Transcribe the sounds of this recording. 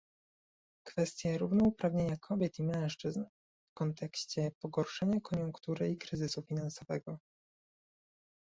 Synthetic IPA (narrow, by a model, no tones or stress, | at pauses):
kfɛst̪ʲjɛɾuvnɔupɾavɲeɲakʰɔbʲjɛt̪imɛ̃w̃ʂt͡ʂɘzn | fkɔnt̪ʰɛkɕt͡ɕɛpɔɡɔɾʂɛɲakɔɲuŋkt̪uɾɘikɾɘzɘsufʲinansɔvɛɡɔ